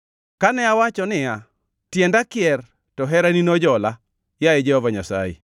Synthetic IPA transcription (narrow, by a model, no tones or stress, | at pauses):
kanɛawat͡ʃɔnɪja | tjɛndakɪɛr | tɔɦɛɾaninɔd͡ʒɔla | jaɛd͡ʒɛhɔvaɲasa̰jḛ